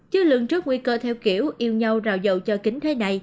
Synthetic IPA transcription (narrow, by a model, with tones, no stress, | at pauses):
t͡ɕɨ˨˧˦lɨ̰˧˨əŋt͡ɕɨ˦˥ək̚ŋwi˧kəː˧t̪ʰɛ˧wki˧˩əwʔi˧əwɲa˧wzaː˧˨˩wzə̰˧˨wt͡ɕɔ˧kï˨˦ŋ̟t̪ʰe˨˦na˨˩j